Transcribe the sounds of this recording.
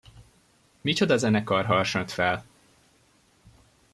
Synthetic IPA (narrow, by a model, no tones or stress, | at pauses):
mit͡ʃo̞d̪ɒzɛnɛkɒrɦɒrʃɒnt̪fɛl